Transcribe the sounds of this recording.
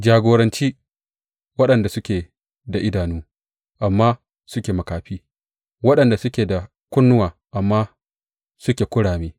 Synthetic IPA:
d͡ʒaː˨ɡoː˨ɾɐ˦nt͡ʃiː˦ | wɐ˦ɗɐ˨nda˨sʊ˦kʲeː˨ | da˨ʔɪ˦daː˨nuː˦ | ʔa˨mːaː˦ | sʊ˦kʲeː˨mɐ˨kaː˨ɸiː˦ | wɐ˦ɗɐ˨nda˨sʊ˦kʲeː˨da˨ | kʷʊ˦nːʊ˦waː˨ | ʔa˨mːaː˦ | sʊ˦kʲeː˨kʷʊ˦ɽaː˨meː˦

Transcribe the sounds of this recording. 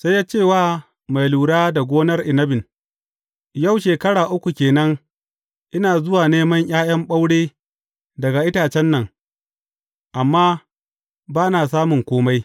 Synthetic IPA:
sa˦jːaː˦t͡ʃeː˦˨waː˦ | ma˨jluː˨ɽaː˦da˨ɡʷoː˦nɐ˦rʔɪ˨nɐ˦bɪ˨n | ja˦˨wʃeː˨kɐ˦ɽaː˨ʔʊ˦kʷu˨kʲeː˨nɐ˦ŋ | ʔɪ˦naː˨zʊ˦waː˨neː˦mɐ˦ɲʔʲj̰aː˦j̰ɐ˦mɓa˦wɽeː˦ | dɐ˨ɡa˨ʔɪ˦taː˨t͡ʃɛ˦nːɐ˨ŋ | ʔa˨mːaː˦ | baː˦naː˨s̬aː˦mʊ˨ŋkʷoː˦ma˦j

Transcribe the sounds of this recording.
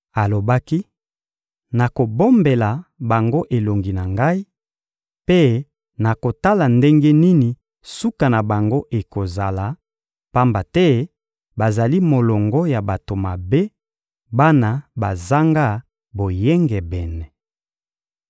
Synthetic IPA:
a˨lo˨ba˦ki˦ | na˨ko˨bo˦mbe˨la˨ba˨ŋɡo˦ʔe˨lo˨ŋɡi˨na˨ŋɡa˦i˦ | pe˦ | na˨ko˨ta˦la˨nde˦ŋɡe˦ni˦ni˨ | su˦ka˨na˨ba˨ŋɡo˦ʔe˨ko˨za˨la˨ | pa˦mba˨tɛ˦ | ba˨za˨li˦mo˨lɔ˨ŋɡɔ˦ja˨ba˨to˨ma˨be˦ | ba˦na˨ba˨za˦ŋɡa˦ | bo˨jɛ˦ŋɡɛ˨bɛ˨nɛ˨

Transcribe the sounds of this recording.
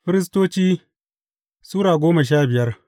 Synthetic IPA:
ɸɪ˦ɾɪ˦s̬toː˦t͡ʃiː˦ | suː˦ɾaː˨ɡʷoː˦mɐ˨ʃ̬aː˦bɪ˨jɐ˦r

